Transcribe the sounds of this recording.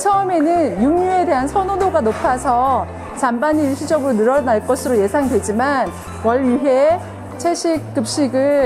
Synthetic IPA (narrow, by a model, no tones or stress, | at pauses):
t͡ɕʰʌʌme̞nɯnjuŋɲue̞de̞ɦansʰʌnonoɡanopʰasʰʌ | t͡ɕambaɲiuɭɕʰid͡ʑʌɡɯɾonɯɾʌnaɭk͈ʌsʰɯɾoje̞sʰaŋdwe̞d͡ʑiman | wʌɭɥiɦe̞ | t͡ɕʰeɕʰik̚k͈ɯp̚ɕ͈iɡɯ